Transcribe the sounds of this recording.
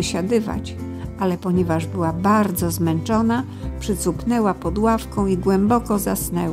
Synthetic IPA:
ɕad̪ɘva̰t͡ɕ | alɛpɔɲɛvaʐbɘwabaɾd̪zɔzmɛnt͡ʂɔna | pʂɘt̪supnɛwapɔd̪wafkɔ̃w̃iɡwɛmbɔkɔzasnɛw

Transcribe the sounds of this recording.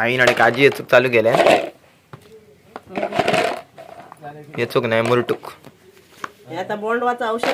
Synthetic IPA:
ainaɽekad͡ʑijet͡suk̚t͡saluɡelẽn | jet͡suknajmuɾʈuk | ɦat̪amoɭɖʋat͡saəwɕə

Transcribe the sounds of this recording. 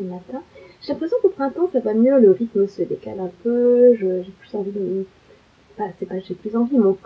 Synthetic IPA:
əmat̪ɛ̃ʒ̥elɛ̃pχesjɔ̃kopχɛ̃t̪ɑ̃savamjøləʁit̪məsəd̪eka̰lɛ̃pøʒəʒeplyzɑ̃vid̪ə | fasɛpaʒeplyzɑ̃vimɛo

